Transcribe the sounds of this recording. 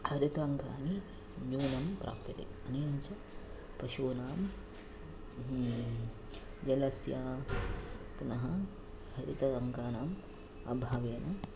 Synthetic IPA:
hɐɾit̪ɐŋka̰ːni | juːnɐmpɾa̰ːpt̪it̪ḛɐniːɐnt͡ʃɐ | pɐʃuːnaːm | d͡ʒɐlɐsjaː | punɐɦɐ | hɐɾit̪ɐɐŋɡaːnaːm | ɐ̰bʱaːʋeːnʔɐ

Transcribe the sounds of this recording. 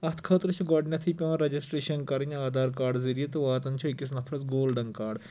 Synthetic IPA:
ɐt̪ʰkʰəːt̪ɾɨt͡ʃʰuɡɔːɖnʲɐt̪ʰipʲɐ̃ːɾɐd͡ʒisʈɾeːʃɐnkɐɾɐnaːd̪aːɾkaːɾɖzɐɾijɐt̪uʋaːt̪ɐnt͡ʃʰuikːisnɐpʰɾɐzɡoːlɖɐŋkaːɖ

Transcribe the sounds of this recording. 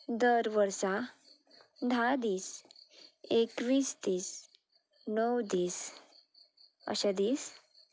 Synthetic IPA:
d̪əɾʋəɾsa | d̪ʱad̪iːs | ekʋiːst̪iːs | nɔwd̪iːs | ə̰ɕad̪iːs

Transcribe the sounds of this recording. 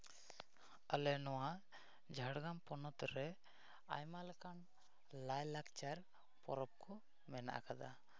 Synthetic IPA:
əlɛnɔwa | d͡ʒʱaɽɡampɔnɔt̪ɾɛ | a̰jmalɛkan | lajlakt͡ʃaɾ | pɔ̰ɾɔp̚kʰɔ | mɛna̰ʔa̰kad̪a

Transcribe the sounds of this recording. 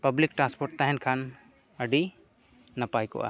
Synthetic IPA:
pɐblikʈɾãnspɔɾʈ̚t̪aɦɛnkʰan | əɖi | nɐpajkɔ̰ʔa̰

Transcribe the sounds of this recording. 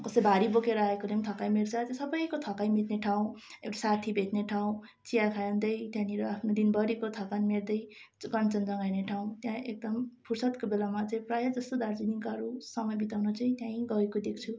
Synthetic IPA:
kʌsʌjbʱaɾibokeɾʌaekolemt̪ʰʌkajmeɾt͡sʰʌt̪jãsʌbʌjkot̪ʰʌkajmit̪neʈʰaw̃ewʈasat̪ʰibʱet̪neʈʰaw̃ | t͡sijakʰajʌnd̪ʌjt̪jãniɾʌapʰnod̪inbʌɽikot̪ʰʌkanmeɾd̪ʌj | ɡʌnt͡sʌnd͡zʌŋɡajneʈʰaw̃t̪jãʔek̚d̪ʌmpʰursʌt̪kobelamat͡saĩprajʌd͡zʌst̪od̪aɾd͡zinikʌɾusʌmʌjbit̪awnʌt͡saĩt̪jãĩɡʌekod̪ek̚ʰt͡sʰu

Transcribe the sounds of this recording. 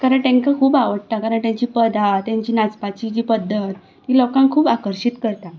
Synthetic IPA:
kaɾəɳʈ̪ẽŋkakʰuːbaʋəɽt̪akaɾəɳʈ̪jãɲt͡ɕiːpəd̪ʱat̪jãɲt͡ɕiːnat͡spat͡ɕid͡ʑiːpəd̪ʱːət̪ | tiːlokãŋkʰuːbakəɾɕit̪kəɾt̪a

